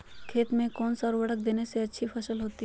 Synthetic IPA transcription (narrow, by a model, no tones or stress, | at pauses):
kʰeːt̪mẽkɔːnsaɾʋɐɽək̚d̪eːneseɐtːʃʰipʰɐʃəlɦoːt̪i